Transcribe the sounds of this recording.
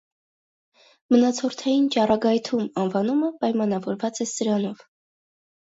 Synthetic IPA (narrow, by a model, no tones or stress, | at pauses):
mənɑt͡sʰɔɾt̪ʰɑjint͡ʃɑrɑɡɑjt̪ʰumɑnvɑnuməpɑjmɑnɑvɔɾvɑt͡sɛsəɾɑnɔv